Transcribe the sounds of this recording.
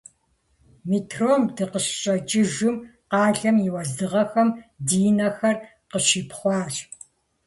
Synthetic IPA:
mitʰroːmdɨqəɕɕʼɐt͡ʃʼɪʒʊmqɑːɮɐmjɪwɐzdɨʁɐxɐmdiːnɐxɐr | qəɕiːpχʷɑːɕʼ

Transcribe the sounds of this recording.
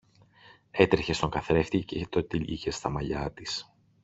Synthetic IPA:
e̞t̪ɾeçe̞st̪o̞ŋɡɐθɾe̞ft̪icet̪ot̪iʎḭçe̞st̪ɐmɐʎɐt̪is

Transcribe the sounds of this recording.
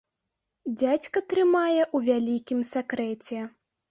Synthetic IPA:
d͡zʲat͡sʲkɐt̪ɾɨmajɛʔuvʲalʲikʲimsʲakɾɛt͡sʲɛ

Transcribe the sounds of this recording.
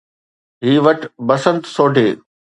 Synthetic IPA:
ɦiːʋɐʈbɐsə̃nt̪soːɖʱeː

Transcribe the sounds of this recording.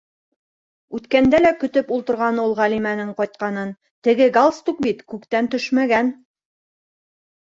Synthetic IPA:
ʉt̪kænd̪ælækɵ̆t̪ɵpulˠt̪ɤ̆ɾʁɑnulˠʁælimænɘɴqɑjt̪̚qɑnɤn | t̪ɘ̆ɡɘɡalˠst̪uk̚bit̪kʉkt̪ænt̪ɵʃmæɡæn

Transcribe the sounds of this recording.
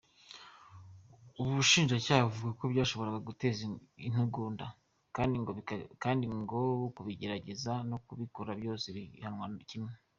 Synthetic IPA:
uβuʃiːnʒacaːhaβuvuɡakobɟaːʃo̞βo̞ɾaɡaɡute̞ːzin̥huɡuːnda | kaːndiŋɡokaːndiŋɡo̞kuβiɟe̞ɾaɟe̞zanokuβikoɾabjo̞ːseβihanwacimŋe

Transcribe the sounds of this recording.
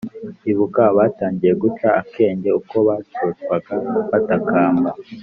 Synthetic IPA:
iβukaβaːtaːɲɟije̞ɡut͡ʃaːkʰe̞ːɲɟe̞uko̞βatotkwaɡaβatakaːmba

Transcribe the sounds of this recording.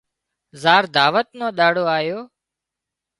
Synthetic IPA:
zaːɾd̪aːʋət̪̚nõːɗaːɽoːaːjoː

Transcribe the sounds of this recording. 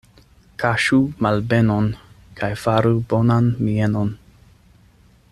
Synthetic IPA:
kʰaʃumalbenon | kʰajfaɾubonanmienon

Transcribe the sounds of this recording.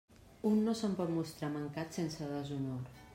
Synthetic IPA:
unːosəmpɔt̪must̪ɾaməŋkat̪sensəðəzunoɾ

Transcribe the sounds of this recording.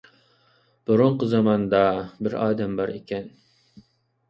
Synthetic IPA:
b̥ʊɾʊɴqəzɑmɑnd̪ɑbɪɾɑːd̪ɛmbɑɾekʲʰɛn

